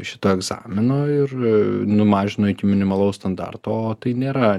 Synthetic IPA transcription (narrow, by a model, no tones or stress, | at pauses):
ʃʲɪt̪oːɛɡzɑ̰ːmʲɪnoːɪrnʊmɑːʒʲɪnoːɪkʲɪmʲɪnʲɪmɐlˠɐʊst̪ɐnd̪ɑ̰rt̪oːoːt̪ɐɪnʲeːɾɐ